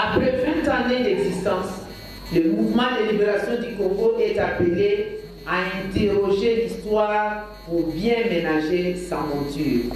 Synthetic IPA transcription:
apʁɛvɛ̃t̪ãnẽd̪ɛɡzist̪ɑ̃s | ləmuvmɑ̃d̪elibeʁasjɔ̃d̪ykɔ̃ŋɡoʔɛt̪apele | aɛ̃t̪eʁɔʒelist̪waːʁ | puʁbjɛ̃menaʒesãmɔ̃t̪yːʁ

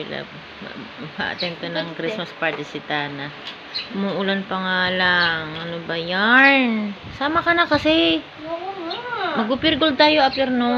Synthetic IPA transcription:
la̰b̰ | ma̰ʔɐ̰t̪ɛnt̪onɐŋkɾismɐspaɹt̪ɪsɪt̪aːna | ʊmuʔʊlanpɐŋaːlaŋɐnobɐjan | saːmɐkɐnakɐsɛ | mɐɡ̚ʊpɪɾɡol̚t̪aːjo̞ʔɐpɛɾno

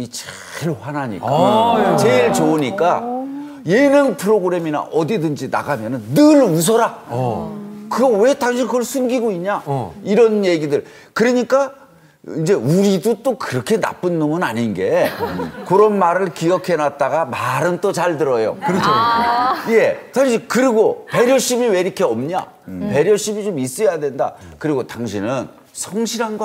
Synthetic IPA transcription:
it͡ɕʰ | ɾohanaɲḭkkat͡ɕeiɭt͡ɕouɲik͈a | jenɯnpʰɯɾoɡɯɾe̞mina̰ʔʌdidɯnd͡ʑina̰ɡamjʌnɯnːɯɭus̬ʰʌɾa | kɯɡʌwe̞taŋɕʰinkɯɡʌɭsʰumɡiɡoiɲɲaiɾʌnje̞ɡidɯɭ | kɯɾʌɲik͈a | ind͡ʑe̞uɾidot͈okɯɾʌkʰena̰p͈ɯnːomunaɲinɡe̞ | kɯɾʌnmaɾɯɭkiʌkʰe̞nat̚t͈aɡamaɾɯnt͈ot͡ɕaɭtɯɾʌjo̰kɯɾʰo | je̞taŋɕʰikɯɾiɡope̞ɾjʌɕ͈imiwe̞ɾikʰeʌmɲa̰ | pe̞ɾjʌɕ͈imit͡ɕomis͈ʌjadwe̞nda̰kɯɾiɡotaŋɕʰinɯn | sʰʌŋɕʰiɾɦanɡwa

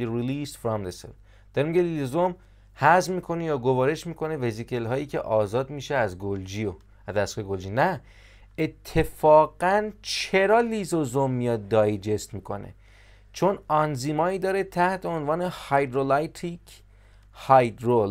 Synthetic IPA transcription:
iɾiliːsfɾɒmd̪esḛ | d̪̥ɒɾemiɡelizozom | hæzmiːkʰo̞nejɒːɡovɒːɾe̞ʃmiːko̞nevezikʰelɦɒːjiːcʰḛʔɒːzɒːd̪miːʃeæzɡold͡ʒio | æzæseeɡold͡ʒiːnæ | et̪ʰːe̞fɒːɡænt͡ʃʰe̞ɾɒːlizozomːijɒːd̪̚d̪ːɒːjd͡ʒe̞st̪miːkʰo̞̰nḛ | t͡ʃʰo̞nɒnziːmɒːiːd̪ɒːɾet̪ʰæht̪ʰeonvɒːnehɒjd̪ɾolajt̪ʰik | hɒjd̪ɾol

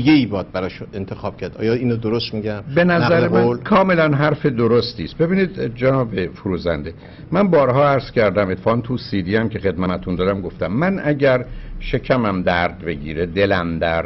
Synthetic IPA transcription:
ɡeiːbɒːd̪̚bæɾɒːʃuent̪ʰexɒːb̥̚cʰæɾd̪ɒ̰ːjɒːiːnod̪oɾost̪miɟæmbe̞næzzæɾemænlkʰɒːme̞lænɦæɾfe̞d̪oɾost̪iːst̪̚be̞biːniːd̪d͡ʒænɒːbefoɾuːzænd̪e̞ | mænbɒːɾɦɒːæɾz̥cʲʰæɾd̪æme̞t̪fɒːnt̪ʰusiːd̪iːæmcʰe̞xe̞d̪mæmæt̪ʰund̪ɒːd̪æmɡo̞ft̪æmːænʔæɟæɾʃe̞cʰæmæmd̪æɾd̪be̞ɟḭːɾed̪e̞læmd̪æɾ

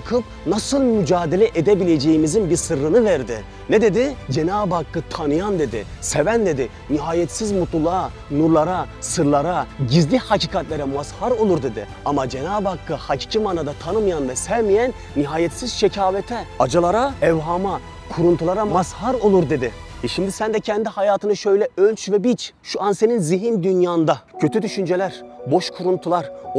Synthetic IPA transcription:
kʰɯp̚ | nasɯlˠmyd͡ʒaːd̪elʲɛʔed̪ebilʲed͡ʒejimizinbiɾsɯɾːɯnɯvɛɾd̪ɪ | nɛd̪e̞d̪id͡ʒenaːbakːɯt̪ʰanɯjand̪e̞d̪ɪ̰ | sevænd̪e̞d̪ɪ | niɦaːjɛt̪sizmut̪lˠulˠa | nuɾlˠaɾa | sɯɾlˠaɾaɟizlʲihacʰiːkʰat̪lʲeɾɛmashaɾo̞lˠuɾd̪e̞d̪ḭ | amad͡ʒenaːbakːɯhacʰi̥ːcʰimaːnad̪at̪ʰanɯmɯjand̪asæɾmijænːiɦaːjɛt̪siz̥ʃecʰaːvɛt̪ʰɛad͡ʒalˠaɾaɛvɦama | kʰuɾunt̪ʰulˠaɾamashaɾo̞lˠuɾd̪e̞d̪ɪʃimd̪isænd̪ɛcʰɛnd̪ihajaːt̪ʰɯnɯʃø̞jlʲɛølʲt͡ʃvɛbit͡ʃʃuanse̞ninziɦind̪ynjaːnd̪acʰø̞t̪ʰyd̪yʃynd͡ʒelʲæɾbo̞ʃkʰuɾunt̪ʰulˠaɾ

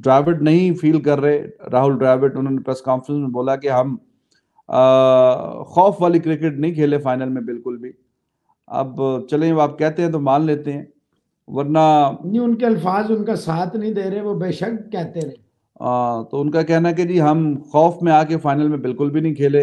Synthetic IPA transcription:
ɖɾaːʋɪʈnɐɦĩfiːlkɐɾːɐɦeɾaːɦʊlɖɾaːʋɪʈʊnɦõːnepɾɛːskaːnfɾə̃nsmẽboːlakeɦɐm | xɔːfʋaːlikɾɪkeʈ̚nɐɦĩkʰeːlefaːɪnəlmẽbɪlkʊlbʱiː | ɐ̰bt͡ʃɐlẽɐbaːp̚kɛɦt̪ẽɦɛ̃t̪̬omaːnleːt̪eɦɛ̃ː | ʋɐɾnanĩʊnkeɐlfaːzʊnkasaːt̪ʰnɐɦĩd̪eːɾɐeʋobeːʃək̚kɛɦt̪eɾ | ãːt̪oʊnkakɛɦnaɛked͡ʒiːɦɐmxɔːfmẽaːkefaːɪnəlmẽbɪlkʊlbʱinɐɦĩkʰeːleː

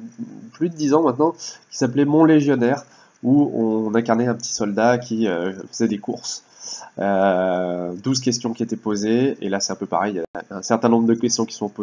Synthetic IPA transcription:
plyd̪əd̪izɑ̃mɛ̃t̪nɑ̃kʲi̥saplɛmɔ̃leʒjɔnɛʁ | uɔ̰̃nɛ̃kaʁnɛɛ̃pə̥t̪i̥sɔld̪akʲiøfəzɛd̪ekuʁs | ø | d̪uzkʲɛst̪jɔ̃kʲiet̪ɛpozeḛlasɛt̪ɛ̃pøpa̰ʁɛjːaɛ̃sɛʁt̪ɛ̃nɔ̃bʁəd̪əkʲɛst̪jɔ̃kʲi̥sɔ̃po

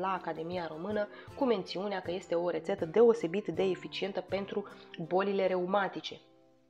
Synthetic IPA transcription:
laːkad̪e̞mijaɾo̞mɨnə | kume̞nt̪siuneakəje̞st̪e̞o̞ɾe̞t̪set̪əd̪e̞o̞se̞bit̪d̪e̞ːfit͡ʃie̞nt̪əpe̞nt̪ɾubo̞lile̞ɾe̞umat̪it͡ʃe̞

